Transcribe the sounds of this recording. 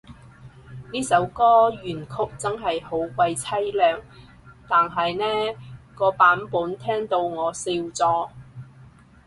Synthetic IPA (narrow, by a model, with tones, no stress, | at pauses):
niː˥sɐ˨˥wkɔː˥jyː˨˩nkʰʊ˥k̚t͡sɐ˥nɦɐ˨jho˨˥wkʷɐ˧jt͡sʰɐ˥jlœː˨ŋ | t̪aː˨nɦɐ˨jnɛː˥kɔː˧paː˨˥npuː˨˥nt̪ʰɛː˥ŋt̪o˧wŋɔː˨˧siː˧wt͡sɔː˧